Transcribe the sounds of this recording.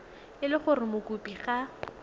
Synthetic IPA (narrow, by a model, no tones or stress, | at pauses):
ɪlɪχʊrɪmʊkʼupʼiχa